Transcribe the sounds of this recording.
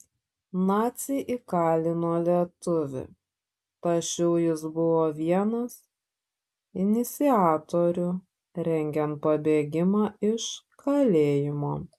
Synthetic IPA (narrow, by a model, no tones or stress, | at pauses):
nɑːt̪sʲɪʔɪkɑːlʲɪnoːlʲiɛt̪ʊʋʲɪ̰ | t̪ɐʃʲɛʊjɪsbʊʋoːʋʲiɛnɐs | ɪnʲɪt̪sʲɪaːt̪oːɾʲʊ | ɾʲɛŋʲɡʲɛnt̪̚pɐbʲeːɡʲɪmɑːɪʃkʰɐlʲeːjɪmoː